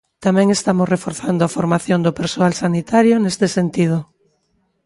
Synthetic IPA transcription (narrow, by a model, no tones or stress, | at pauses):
t̪amɛ̃ŋest̪amʊsrefoɾθand̪oafoɾmaθjond̪ʊpeɾsoalsanit̪aɾjonest̪esent̪ið̞ʊ